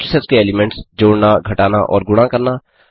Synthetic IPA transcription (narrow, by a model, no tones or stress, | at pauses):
səskeeːlɪmẽɳʈsd͡ʒoːɽnaɡʱɐʈaːnaʔɔ̰ːɾɡʊɽ̃ãkɐɾna